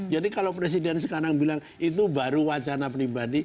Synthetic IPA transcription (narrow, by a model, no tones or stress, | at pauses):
d͡ʒadikalopɾes̬idɛnsəkaɾaŋbilaŋ | it̪̬ubaɾuwat͡ʃanapɾibadi